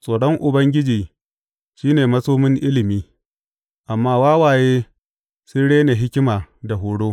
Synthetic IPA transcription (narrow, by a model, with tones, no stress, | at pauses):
sʼoː˨ɽɔ˦ŋʔʊ˨bɐ˦ŋɡʲɪ˦d͡ʒiː˨ | ʃiː˦neː˨mɐ˦soː˦mɪ˦ŋʔɪ˦lɪ˨miː˦ | ʔa˨mːaː˦waː˦waː˨jeː˦ | sʊ˦nɽeː˦ne˨ɦɪ˦kʲɪ˦maː˨da˨ɦʊː˨ɽoː˦